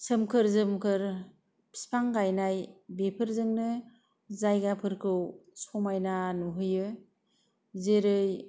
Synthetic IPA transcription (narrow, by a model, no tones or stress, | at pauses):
sɯmkʰɯɾzɯmkʰɯɾ | pʰi̥spʰaŋɡajnajbepʰɯɾzɯŋnɯ | zajɡapʰɯɾkʰɯwsɔmajnanuɦɯjɯ | zeɾɯj